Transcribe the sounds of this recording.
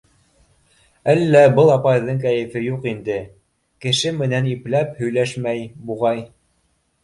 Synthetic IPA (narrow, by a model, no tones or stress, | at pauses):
ælːæbɤlˠɑpɑjðɤɴk̬æjɘ̆fɘjuqind̪ɘ | kɘ̆ʃɘmɘ̆næniplæphɵ̆jlæʃmæjbuʁɑj